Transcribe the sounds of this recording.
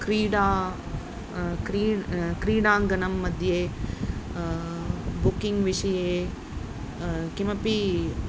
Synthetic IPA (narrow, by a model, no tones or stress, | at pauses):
kɾiːɽaː | kɾikɾiːɽãːŋɡɐnɐmːɐd̪ʱje | bʊkɪ̃ŋɡʋɪʃɐje | kimɐpi